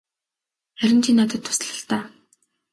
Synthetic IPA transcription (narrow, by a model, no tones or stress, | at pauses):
χæɾʲɪ̆nt͡ɕʰiːnːat̪̬ə̆t̪ʰːʊ̥s̆ɮə̆ɬt̪aː